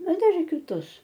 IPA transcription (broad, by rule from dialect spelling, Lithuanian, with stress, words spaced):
ˈnɐ ˈdɐr ɪr kʲɪˈtʊs